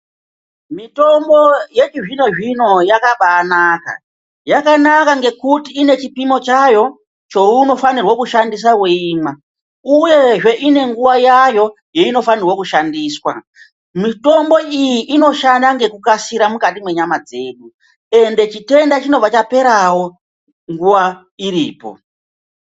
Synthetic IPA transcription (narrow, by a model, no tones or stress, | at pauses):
mito̞mbo̞je̞t͡ʃiʐino̞ʐino̞jakaɓaːnaka̰ | jakanakaŋɡe̞kutiːne̞t͡ʃipimo̞t͡ʃajo̞ | t͡ʃo̞uno̞fanirwokuʃandis̬awuiːma | uje̞ʐe̞ʔine̞ŋɡuwajajo̞ | jeino̞fanirwokuʃandiːswa̰ | mito̞mbo̞ijiʔːno̞ʃandaŋɡe̞kukasiɾamukatimwe̞ɲamad͡ze̞ːɗu | e̞nde̞t͡ʃite̞ndat͡ʃino̞b͡vat͡ʃape̞ɾawo̞ | ŋɡuʋwa | iɾḭːpo̞̰